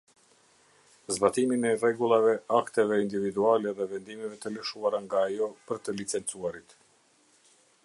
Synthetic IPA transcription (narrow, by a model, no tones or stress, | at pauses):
zbat̪iminɛrɛɡulˠavɛakt̪ɛvɛind̪ivid̪ualɛðɛvɛnd̪imɛvɛt̪ələʃuaɾaŋɡaːjɔpəɾt̪əlit͡sɛnt͡suaɾit̪